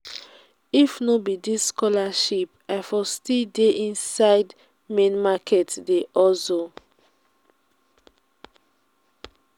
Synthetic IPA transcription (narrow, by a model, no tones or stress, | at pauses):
ifnobidisːkɔlaʃip̚aɪfɔstildeʔĩnsaɪd | mẽnmakʰɛtdeʔɔso